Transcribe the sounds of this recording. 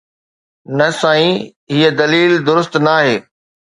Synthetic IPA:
nɐsãːĩ | ɦiːəd̪ɐliːld̪ʊɾʊst̪naːɦeː

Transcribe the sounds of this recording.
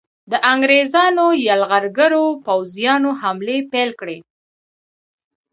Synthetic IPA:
d̪əʔaŋɡɾezɑnojalɣaɾɡəɾopawzjɑnoɦamlepelkɽe

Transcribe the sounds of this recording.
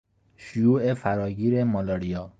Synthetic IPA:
ʃʊjuːʔefæɾɒːɡiːɾemɒlɒɾijɒː

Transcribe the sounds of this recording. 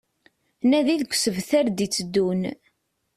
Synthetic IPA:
næðiðɡʷsəvθæɾd̪it͡sːəd̪ːun

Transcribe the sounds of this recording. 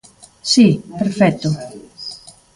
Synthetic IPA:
sipeɾfɛt̪ʊ

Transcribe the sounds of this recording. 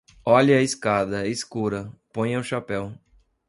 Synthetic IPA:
ɔʎɪɐiskad̪ɐeskuɾɐpõj̃ɐwʃapɛw

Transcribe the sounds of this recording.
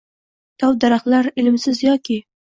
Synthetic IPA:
t̪ʰɒwd̪aɾaχlaɾɪlɪmsɪzjɒkʲɪ

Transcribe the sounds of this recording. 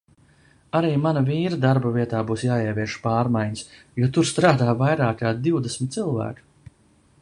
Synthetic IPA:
aɾiːmanaviːɾad̪aɾbɐvʲiɛt̪aːbuːsjaːiɛvʲiɛʃpaːɾmajɲs | juɔt̪uɾst̪ɾaːd̪aːvajɾaːkkaːd̪d̪iwd̪esmʲt̪̚silˠvæ̰ːku̥

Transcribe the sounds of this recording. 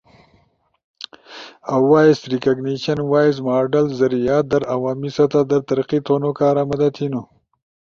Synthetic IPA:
awwaːisɾikɐɡniɕɐnwaːjs̬maːɾɖɐlzɐɾijaːt̪̚d̪ɐɾawaːmisɐt̪ad̪ɐɾt̪ɐɾqit̪onokɑːɾamɐd̪at̪ʰinu

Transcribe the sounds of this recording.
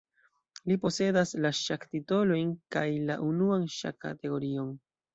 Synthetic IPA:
lipo̞se̞daslaʃaktito̞lo̞jnkajlaʔunuanʃa̰ka̰te̞ɡo̞ɾio̞n

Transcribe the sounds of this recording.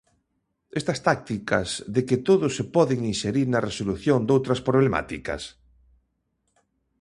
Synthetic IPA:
est̪ɐst̪ak̚t̪ikɐzðekɪt̪oðʊsepɔðeŋinʃeɾiɾnɐresoluθjond̪owt̪ɾɐspɾoβ̞lema̰t̪ikɐ̰s

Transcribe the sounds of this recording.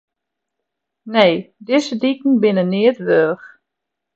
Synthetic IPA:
nejdɪzədikn̩bɪnənɪətʋøːx

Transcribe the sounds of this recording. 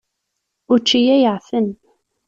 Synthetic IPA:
ʊɾt͡ʃːijæjəʕfən

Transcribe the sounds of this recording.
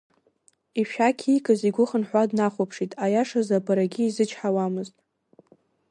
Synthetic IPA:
iʃᶣakʲʰijkʼɨziɡʷʊχənħʷadnaχʷopʰʂitʼajaʂazabʰʼaɾaɡʲɪːzɨt͡ʃʰħawamɨztʼ

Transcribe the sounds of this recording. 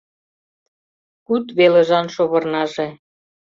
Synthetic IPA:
kut̪βeleʒɑnʃoβɤ̆rnɑʒe

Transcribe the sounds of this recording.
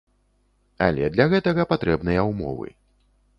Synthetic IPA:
a̰lʲɛd̪lʲɐɣɛt̪ɐɣɐpat̪ɾɛbnɨjɐwmɔ̰vɨ̰

